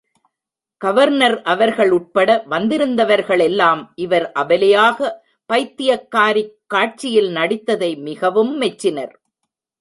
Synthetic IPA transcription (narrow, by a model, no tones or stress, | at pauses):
ɡ̥ɐʋɐɾnɐɾʔɐʋɐɾɣɐɭʊʈ̚pɐɽɐʋɐnd̪ɪɾɯnd̪ɐʋɐɾɣɐɭɛlːaːmʔɪʋɐɾʔɐʋɐlɐjaːɣɐ | pɐɪt̪ːɪjɐkːaːɾɪkːaːʈ̚t͡ʃɪjɪlnɐɽɪt̪ːɐðɐɪmɪɣɐʋɯmːɛt͡ʃːɪnɐɾ